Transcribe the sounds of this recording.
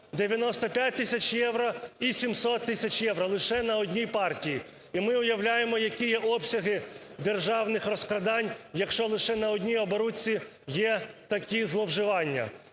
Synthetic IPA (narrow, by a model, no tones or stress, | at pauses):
d̪eʋʲjɐnɔst̪ɔpʲjat̚ʲt̪ɪsʲɐt͡ʃʲjɛwɾɔisʲimsɔt̪ːɪsʲɐt͡ʃjɛwɾɔlˠɪʃɛnɐɔdʲnʲijpɑrtʲiji | imɪʊjɐwlʲajemɔjɐkʲijɛʔɔpsʲɐɦɪd̪erʒɑwnɪxrɔskɾɐd̪ɑnʲjɐkʃt͡ʃɔlˠɪʃɛnɐɔdʲnʲijɔbɔɾut͡sʲːi | jɛt̪ɐkʲizlˠɔwʒɪʋɑnʲːɐ̰